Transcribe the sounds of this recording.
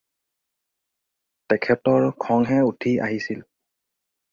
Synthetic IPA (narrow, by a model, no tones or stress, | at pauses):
tɛkʰɛtɔɹkʰɔŋɦɛutʰia̰ɦisil